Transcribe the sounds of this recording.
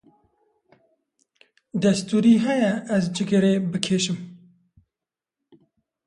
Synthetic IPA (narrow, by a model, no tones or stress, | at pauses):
d̪ɐst̪uːɾiːɦɛjɛɛzd͡ʒɪɡɨɾeːbɨkʰeːʃɪm